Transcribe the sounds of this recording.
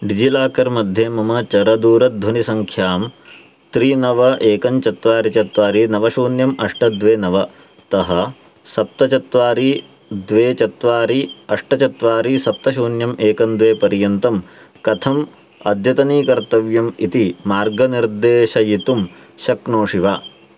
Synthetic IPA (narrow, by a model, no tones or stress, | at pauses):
ɖid͡ʒilaːkɐɾmɐd̪ʱjeːmɐmɐt͡ʃɐɾɐd̪uːɾɐd̪ʱʋɐnisɐŋkʰjaːm | t̪ɾinɐʋɐʔeːkɐɲt͡ʃɐt̪ʋaːɾit͡ʃɐt̪ʋaːɾinɐʋɐʃuːnjɐmɐʂʈɐd̪ʋeːnɐʋɐ | t̪ɐɦɐ | sɐp̚t̪ɐt͡ʃɐt̪ʋaːɾi | d̪ʋeːt͡ʃɐt̪ʋaːɾiɐʂʈɐt͡ʃɐt̪ʋaːɾisɐp̚t̪ɐʃuːnjɐmeːkɐnd̪ʋeːpɐɾjɐnt̪ɐm | kɐt̪ʰɐm | ɐd̪ʱjɐt̪ɐniːkɐɾt̪ɐʋjɐmit̪imaːɾɡɐniɾd̪eːʃɐjit̪umʃɐkɳoːʂiʋaː